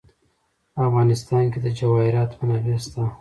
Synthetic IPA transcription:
afɣɑnɪst̪ɑnked̪əd͡ʒawɑhɪɾɑt̪mənawest̪a

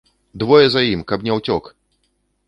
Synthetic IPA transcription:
d̪vɔjɛzajimkɐbnʲɛwt͡sʲɔk

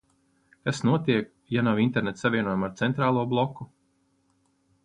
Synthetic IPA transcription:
kasnuɔt̪iɛk | janawint̪eɾnɛt̪savʲiɛnuɔjumaɾt̪sɛnt̪ɾaːlˠuɔblˠɔku

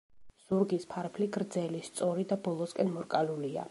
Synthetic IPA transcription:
z̥uɾɡispʰaɾpʰliɡɾd̪zɛlist̪sʼɔɾid̪abɔlˠɔskʼɛnmɔɾkʼalulia̰

